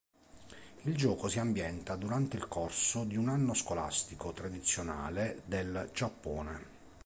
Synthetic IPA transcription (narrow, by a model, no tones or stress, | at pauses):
ild͡ʒɔːkosiambjɛnt̪ad̪uɾant̪eilkorsod̪iunanːoskola̰st̪ikot̪ɾad̪it̪sːjona̰ːled̪eld͡ʒapːɔːne